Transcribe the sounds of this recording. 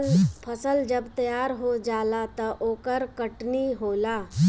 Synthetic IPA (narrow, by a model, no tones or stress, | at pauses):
pʰɐsəld͡ʒəbt̪ɐjaːɾɦod͡ʒaːlat̪ɐʔoːkəɾkəʈniɦoːlaː